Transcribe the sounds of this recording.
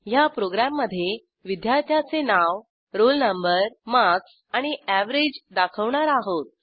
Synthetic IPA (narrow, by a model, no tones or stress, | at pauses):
japɾoɡɾamːəd̪ʱːje | ʋid̪jaɾt̪ʰjat͡senaʋ | ɾolnəmbəɾmaks | aɽ̃iæʋɾed͡ʑd̪akʰəʋɳaɾaɦot̪̚